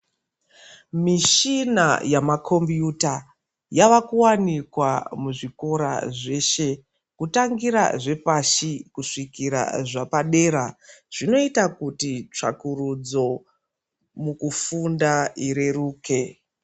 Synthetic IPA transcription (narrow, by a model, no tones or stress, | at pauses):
miʃina̰jamakʰo̞mbjuta | jaʋakuwanikwamuʐiko̞ɾa̰ʐe̞ːʃe̞ | kutaŋɡiɾa̰ʐe̞paʃikuʂikiɾa̰ʐapaɗe̞ːɾaʐ̥ino̞itakutit͡ʂa̰kurud͡zo̞ | mukufundaiɾe̞ruːke̞